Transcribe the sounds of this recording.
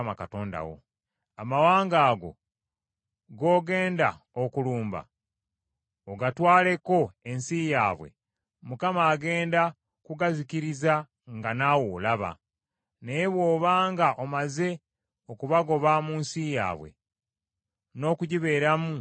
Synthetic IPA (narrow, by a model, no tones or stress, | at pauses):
makato̞ːnda̰wo̰ | amawaːŋɡaːɡo̞̰ | ɡo̞ːɡe̞ːnda | okuluːmba̰ | oɡatwaːle̞ko̞e̞nsijaːβwe̞̰ | mukamaːɡe̞ːnda | kuɡaziciɾiza | ŋɡanawoːlaβa̰ | nejeβwo̞ːβaːŋɡaʔomaze̞ | okuβaɡo̞βamuːnsija̰ːβwe̞̰ | no̞ːkuɟiβe̞ːɾamu